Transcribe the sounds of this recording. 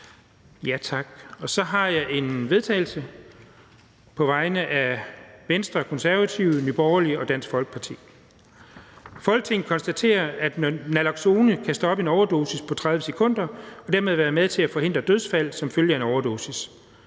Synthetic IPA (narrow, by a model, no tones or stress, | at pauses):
jæt͡sʰɑ̈ɡ̥ɒ̽sɒ̽ɦɑ̈jɑ̈ɪʔe̝nʋe̝ð̞ˠt͡sʰɛ̰ːɪlsə | pʰɒ̽ʋɑ̈ɪnəʔæʋensd̥ʁɐkʰɒ̽nsæɐʋæt͡sʰiʊnyb̥ɒʊɐliɒ̽d̥æn̰sɡ̥fɒ̽lɡ̥ə̥pʰɑ̈t͡sʰḭː | fɒ̽lɡ̥̚t͡sʰe̝ŋn̩kʰɒ̽nsd̥æt͡sʰe̝̰ːɐæd̥nnælɑ̈ɡ̥so̝ːnəkʰæsd̥ɒ̽b̥əe̝nɒʊɐd̥o̝ːsispʰɒ̽t͡sʰʁðˠʋəsekʰɔ̽n̰d̥ɐɒ̽d̥æɐ̰með̞ˠʋæːɐðˠmeð̞ˠt͡sʰe̝æfɒ̽ɦe̝nd̥ʁɐd̥øð̞ˠsfæl̰sɒ̽mføljəæenɒʊɐd̥o̝ːsis